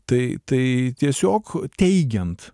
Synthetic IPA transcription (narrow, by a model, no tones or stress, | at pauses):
t̪ɐɪt̪ɐɪt̪ʲiɛsʲoːkt̪ʲɛɪɡʲɛnt̪